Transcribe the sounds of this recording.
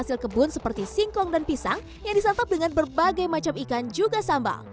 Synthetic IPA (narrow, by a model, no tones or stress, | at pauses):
asɪlkəbʊnsəpərt̪isiŋkɔŋdanpisaŋ | jaŋdisant̪ap̚dəŋanbərbaɡajmat͡ʃamikand͡ʒuɡasamba̰